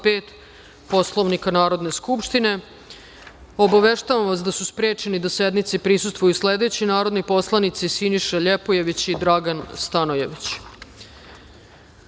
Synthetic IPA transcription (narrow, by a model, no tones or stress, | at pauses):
peːt̪ | po̞slˠo̞ʋnikanaːɾo̞d̪ne̞skupʂt̪ine̞ | obaʋeʃt̪aʋamʋas̬d̪asuspɾeːt͡ʃe̞nid̪ase̞d̪nit̪sipɾisust̪ʋujusled̪e̞t͡ɕinaːɾo̞d̪nipo̞slˠanit̪sisiniʃaʎepoje̞ʋit͡ɕid̪ɾaɡanst̪anoje̞ʋit͡ɕ